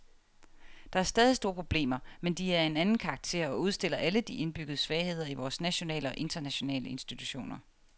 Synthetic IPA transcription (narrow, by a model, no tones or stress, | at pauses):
d̥ɑ̈æɐsd̥ɛːð̞ˠisd̥o̝ːɐpʰʁo̝b̥le̝̰ːmɐmend̥iæɐe̝nænn̩kʰɑ̈ɑɡ̥̚t͡sʰe̝̰ːɐ̰ɒuð̞ˠsd̥e̝l̰ɐʔæləd̥iʔe̝nb̥yɡ̥əð̞̩ˠəsʋɛːɪhe̝ð̞̰ˠɐiʋɒːsnæɕo̝nɛ̰ːləɒ̽ʔe̝nd̥ɐnæɕo̝nɛ̰ːləe̝nsd̥it͡sʰuɕo̝̰ːnɐ